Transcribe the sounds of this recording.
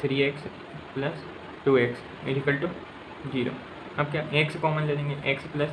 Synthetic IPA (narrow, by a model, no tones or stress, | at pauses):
t̪ʰɾiːeːks | plɐs | ʈuːeːks | mḛːɖʱikəlʈu | d͡ʒiːɾo̰ː | ɐb̚kjaʔeːkskɔːmə̃nled̪ẽːŋɡeʔeːksplɐs